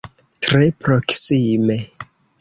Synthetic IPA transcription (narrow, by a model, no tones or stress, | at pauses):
tɾepɾo̞ksime̞